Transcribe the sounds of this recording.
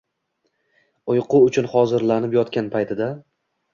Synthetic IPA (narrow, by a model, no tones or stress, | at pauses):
ʊjqʰʊʊt͡ʃʰʊnχɒzɪɾlanɪpjɒt̪kʲanpʰajt̪ʰɪd̪a